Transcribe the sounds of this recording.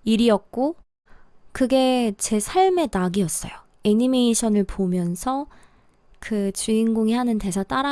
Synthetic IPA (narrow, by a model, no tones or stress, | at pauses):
iɾiʌk̚k͈o | kɯɡe̞t͡ɕe̞sʰaɭme̞naɡiʌs͈ʌ̰jo | eɲime̞iɕʰʌnɯɭpomjʌnsʰʌ | kɯt͡ɕuinɡoŋihanɯnte̞sʰat͈aɾa